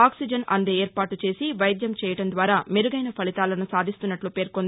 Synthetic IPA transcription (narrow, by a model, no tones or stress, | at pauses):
aːksid͡ʒɐnɐ̰nd̪eːeːɾpaːʈut͡ʃe̞ːsiʋɐjɐd̪jɐmt͡ʃɛːjɐʈɐnd̪ʋaːɾaːmeɾuɡɐjnɐpʰɐlit̪aːlɐnusaːd̪ist̪unːɐʈlupe̞ːɾkond̪i